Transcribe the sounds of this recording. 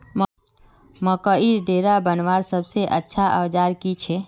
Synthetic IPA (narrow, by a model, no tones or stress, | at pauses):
mə | məkəiɾɖeːɾabənʋaːɾsəbseʔətːʃʰaʔə̰ʋd͡ʒaːɾkit͡ʃʰɛ